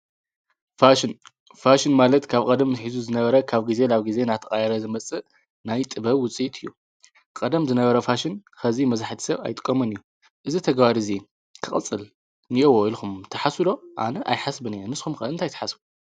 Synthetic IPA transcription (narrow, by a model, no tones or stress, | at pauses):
faʃn | faʃɪnmalɐt̪kʰaβkʼɐd̪ɐmħizuzɨnɐβɐɾɐkʰaβɡize̞laβɡize̞nat̪ʰɐχʼajɐɾɐzɨmɐt͡sʼɨ | najt̪ʼɨβɐβwʊt͡sʼit̪ʰʼɨjːu | kʼɐd̪ɐmzɨnɐβɐɾɐfaʃɪnxɐzimɐzaħt̪ʰi̥sɐβa̰jt̪ʼɨ̥kʼːɐmɐnɨjːu | ʔɨzit̪ʰɐɡβaɾizi | kʰɨχʼɨ̰t͡sʼɨl | nɨʔowoilxumt̪ʰɐħasɨlo̞ʔa̰nɐʔa̰jħasbɨnijonɨsxumxɨʔɨnt̪ajt̪ʰɐħasbu